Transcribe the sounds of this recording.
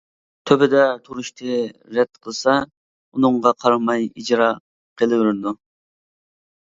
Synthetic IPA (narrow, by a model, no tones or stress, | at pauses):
t̪ʰøbɪd̪ɛt̪ʰuɾuʃt̪ʰɨɾɛt̪̚qʰəlˠsɑ | unʊŋʁɑqʰɑɾɑmɑjid͡ʒɾɑ | qʰelˠɪwɪɾd̪u